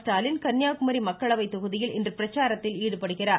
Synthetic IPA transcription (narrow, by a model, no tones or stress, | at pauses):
ʈaːlɪnkɐnjaːkɯmɐɾimɐkːɐɭɐʋɐɪt̪ːɔɣɯðɪjɪlɛndrɯpɪɾɐt͡ʃːaːɾɐt̪ːɪliːɽɯpɐɽɯɣɪraː